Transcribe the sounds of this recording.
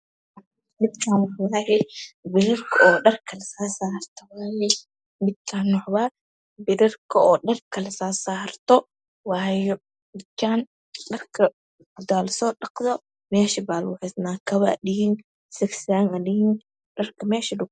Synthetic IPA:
mɪd̪kʰaːnwɐħwaːhɛbɪɾɐrkʰɐɔːɗɐrkʰɐlɐsaːsaːhɐrt̪ʰɔwaːjɛ | mɪd̪̚kʰaːnwɐħwaː | bɪɾɐrkʰɐɔːɗɐrkʰɐlɐsaːsaːhɐrt̪ɔ | waːjɔ | mɪd̪kt͡ʃʰaːn | ɗɐrkʰɐ | d̪aːlɐsɔːɗɑqðɔ | mɛːʃɪbaːlwʊħɪsnaːkʰɐβa̰ːɗɪɪn | sɐksaːŋɐlɪɪn | ɗɐrkʰɐmɛːʃɪlʊɡ

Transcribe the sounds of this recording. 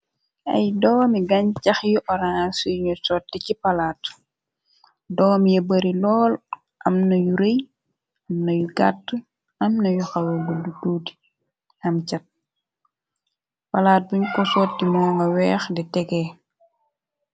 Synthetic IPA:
ʔɐ̰jdɔːmiɡɐɲcɐxjuʔɔɾasujɲɔsɔːtːicipɐlaːt | dɔːmijɐbəɾilɔːl | ʔɐmnɐjuɾɛj | ɐmnɐjuɡatː | ɐmnɐjuxɐwɐbudutuːdi̥ | ɐmt͡ʃɐt̚ | pɐlaːt̚buɲkɔsɔːtːimɔːŋɡɐwɛːxdɛtɛɡɛː

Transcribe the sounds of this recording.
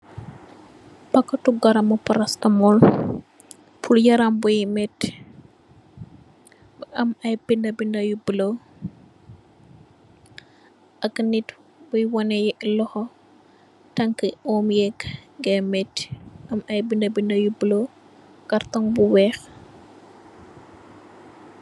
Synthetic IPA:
pɐkːɐtuɡɐɾɐmɔpɐɾɐstɐmɔl | pʰuljɐɾambujmɛt | ɐmɐjbindɐbindɐjublo | ʔɐknit | bujwɔnɛjɛlɔhɔ | tɐŋkəɔmjɛkːŋɡɛmɛtʔɐmɐjbindɐbindɐjublo | ɡɐrtɔŋbuwɛx

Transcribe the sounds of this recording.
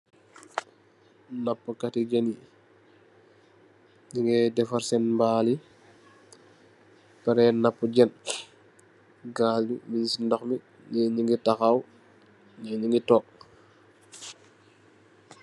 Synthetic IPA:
napːəkatiɟɛni | ɲiŋɡɛdɛfaɾsɛnmbaːli | pɛɾɛnapːuɟɛn | ɡaliminsindɔxmi | nɛɲiŋɡitaxaw | nɛɲiŋɡitɔːk̚

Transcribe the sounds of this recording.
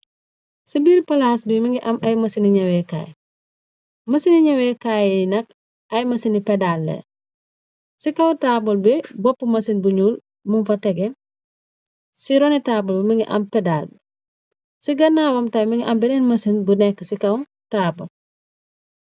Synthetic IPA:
sibiːɾpɐlaːsbimiŋɡiʔɐmʔɐjmɐsiniɲɐweka̰ːj | mɐsiniɲɐwekajinɐk̚ | ɐjmɐsinipedaːlːḛ | sikɐwtabolbibɔpːumɐsinbuɲuːl | munfɐteɡe | siɾonitaːbulbimiŋɡiʔɐ̰mpedaːlb | siɡɐnaːwɐmtajmiŋiʔɐmbɛnɛnmɐsinbunɛkːəsikɐw | taːbo̰l

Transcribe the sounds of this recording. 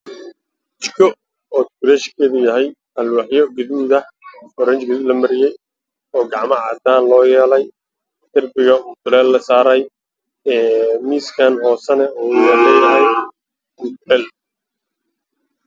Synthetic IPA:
t͡ʃɪkʰɔ | ɔːt̪kʊɾɛːʃkʰɛːðʊjɐɦɛj | hɐlwɑħjɔɡɪðuːðɐ | ɔɾɛnt͡ʃɡɪðʊlɐmɐɾɪjɛj | ɔːɡɑʕmɐʕɑːd̪aːnlɔːjɛːlɛj | t̪ɪrbɪɣɐʊt̪ʊlɛːlːɐsaːɾɐj | ɛːmiːskʰanɦɔːsɐnɛɔjɛlɛjɐɦɛj | ʊt̪ɛl

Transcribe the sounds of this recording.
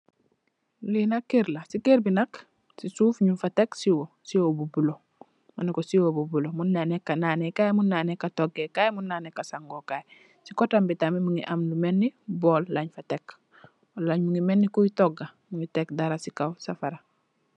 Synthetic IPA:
linakːiɾlasikiɾbinak | sisuːfɲufateksiwo | siobubulo | manikosiobubulomunːanekanaːnekajmunːaːnekatoɡekajmunːaːnekasaŋɡokaj | sikotambitamimuŋiʔamlumenːiboːlːaɲfatek | olaɲmuŋimenːikuitoɡːamuŋitekdaɾasikawsafaɾa

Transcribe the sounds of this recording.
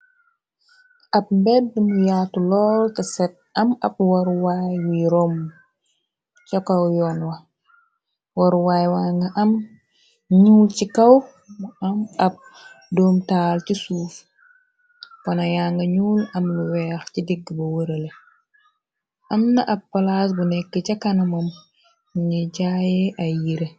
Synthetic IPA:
ʔɐb̚mbɛdːimujaːtulɔːltɐsɛt̚ɐmɐ̰p̚wɐɾwajwiɾɔm | t͡ʃɔkɐwjɔːnwɐ | woɾwaːjwaŋɡɐʔɐm | ɲuːlcikɐw | muɐmɐb̚ | doːmtaːlt͡ʃisuːf | kɔnajaːŋɡɐɲuːlɐmluwɛːxcidiɡːbɐwəɾɐle | ʔɐmnɐʔɐbːɐlas̬bunɛkːət͡ʃakanɐmɐm | ɲeɟajɛʔajiɾe

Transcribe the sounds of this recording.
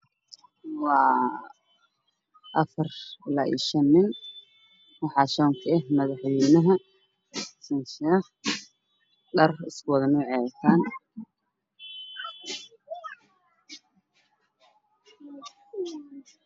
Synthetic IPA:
wɑː | ʔɐfɐrɪlaːḭːʃɐnːɪn | wɑħɑːʃɔŋkʰɐɛɦmɐðɑħwɛjnɐɦɐ | sɐnʃɛːχ | ɖɐrɪskʊwɑðɐnʊːʕɛt̪ʰaːn

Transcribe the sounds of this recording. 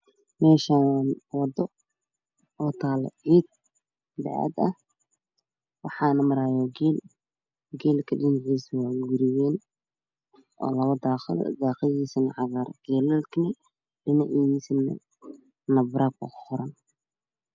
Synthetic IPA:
mɛːʃaːnwɑd̪ɔ | ɔːt̪ʰaːlɛ̰ʕiːd̪̚ | d̪ɑ̰ʕa̰d̪ɐh | wɑħɑːnɐmɐɾaːjɔːɡɛːl | ɡɛːlkʰɐɖɪnɪʕiːswaːɡʊɾɪjɛːn | ʔɔ̰ːlɐβɐd̪aːqɪl̰d̪aːqɪðiːsɪnʕɑɣaːɾɡ̥ɛːlɛlkʰnɛ | ɖɪnɐʕiiːsɪnɛ̰ | nɐbɾaːk̚kʊkʊχʊɾɐn

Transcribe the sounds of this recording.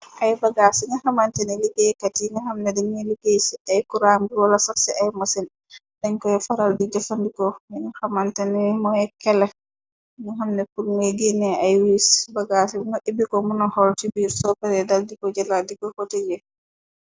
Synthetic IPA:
ʔajbaɡasiɲahamantaniliɡejkatiŋahamnɛdɛɲɛliɡesiʔajkuɾamɡiwalasaksiʔajmasin | dɛɲkɔjɛfaɾaldidɛfandikɔɲuhamantanimɔjɛkɛlɛ | nuhamnɛpulmaɡinɛajwisbaɡasiŋɔʔibikɔmunɔhɔltibiɾsɔpɛɾɛdaldikɔd͡ʒɛladikɔhɔted͡ʒɛ

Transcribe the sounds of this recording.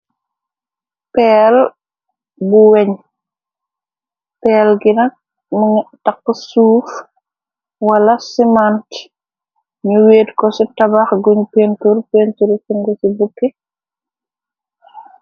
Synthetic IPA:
pɛːl | buwɛɲ | pɛːlɡinɐk̚ | muŋɛtɐkːɔsuːf | wɐlɐsimant | ɲuweːdkɔsitɐbaxɡuɲupeːnturpeːntuɾsiŋɡɔsibukːɛ

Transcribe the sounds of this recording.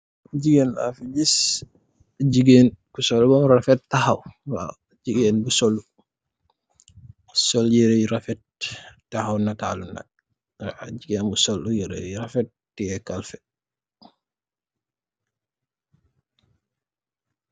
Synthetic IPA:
d͡ʒiɡɛnla̰fid͡ʒis | d͡ʒiɡeːnkusɔlbɔmɾafɛttahawwa̰ | d͡ʒiɡeːnbusɔlːu | sɔljɛɾɛjɾafɛttːahawnata̰luna̰ | d͡ʒiɡenbusɔlːujɛɾɛ̰ɾafɛt̚ːɛɛkalfɛ

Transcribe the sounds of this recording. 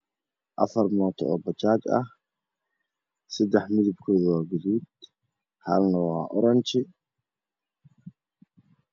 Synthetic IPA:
ʔɐfɐrmɔːt̪ʰɔ̰ʔɔ̰bɐt͡ʃaːt͡ʃɐ̰h | sɐd̪ɛħmɪðɪbkʰɔːðwaːɡʊðuːd̪ | hɐ̰lnɐwa̰ːʔɔɾɐnt͡ʃɪ

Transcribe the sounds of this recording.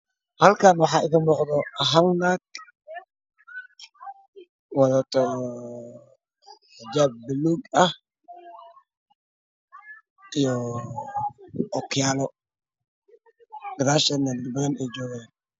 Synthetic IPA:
hɐlkʰaːnwɑħɑːɪɣɐmɔqd̪ɔɐɦalnak | wɑðaːt̪ʰɔ | ħɪd͡ʒaːb̚ːɪluɡɐh | ʔijɔ | ʔɔkʰjaːlɔ | ɡ̥ɾaʃɐnɐnd̪bɐnɛjd͡ʒɔːɣɛːn

